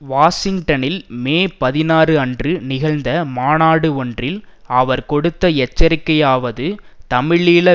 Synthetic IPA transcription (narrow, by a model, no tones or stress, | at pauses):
ʋaːsɪŋɡʈɐnɪlmeːpɐðɪnaːrɯɐndrɯnɪɣɐɻnd̪ɐmaːnaːɽɯɔndrɪlɐʋɐɾkɔɽɯt̪ːɐɛt͡ʃːɐɾɪkːɐjaːʋɐðɯt̪ɐmɪɭiːlɐ